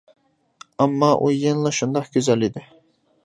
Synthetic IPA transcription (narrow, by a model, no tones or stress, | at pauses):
ɑmːɑʔujenlˠɑʃund̪ɑχɡ̥ʲøzælid̪ɪ